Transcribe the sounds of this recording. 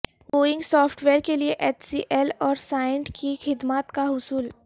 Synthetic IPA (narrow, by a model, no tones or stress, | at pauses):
boːɪ̃ŋɡsɔːfʈʋeːɾkelieʔɛːt͡ʃsiʔɛlɔːɾsaːɪɳʈkʰixɪd̪mat̪kaɦʊsuːl